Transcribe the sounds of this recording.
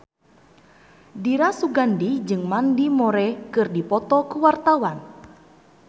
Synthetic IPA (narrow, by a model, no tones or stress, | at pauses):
diɾasuɡandid͡ʒɨŋmandimɔɾɛkɨrdipɔt̪ɔkuwart̪awan